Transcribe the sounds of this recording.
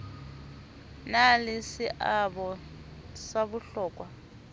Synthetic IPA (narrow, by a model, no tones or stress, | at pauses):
nalɪsiʔabɔ | saβuɬɔːkʼwa